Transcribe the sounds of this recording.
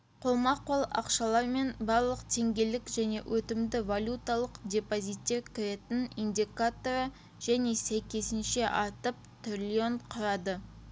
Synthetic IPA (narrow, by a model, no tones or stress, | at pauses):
qʰolˠmɑqʰːo̞lˠɑ̰qʃɑlˠɑɾme̞nbɑɾlˠəqt̪ʰe̞ŋɡʲe̞lɪkʒæne̞̰wʔɵt̪ɪmd̪ɪvalʲut̪alˠəqdʲe̞pozijt̪ːe̞ɾkʲʰɪɾe̞t̪ɪnind̪ʲikat̪o̞ɾə | ʒ̥æne̞sæjkʲe̞sɪnʃe̞ʔɑɾt̪əp̚t̪ʰrlʲio̞ɴqʰʊɾɑd̪ə